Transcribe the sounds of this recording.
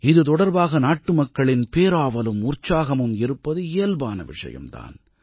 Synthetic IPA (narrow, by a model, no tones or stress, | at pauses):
ɪðɯt̪ɔɽɐɾbaːɣɐnaːʈːɯmɐkːɐɭɪnpeːɾaːʋɐlɯmʊrt͡ʃaːɣɐmɯmɪɾɯpːɐðɯeːlbaːnɐ̰ʋɪ̰ʂɐ̰jɐ̰mt̪a̰ːn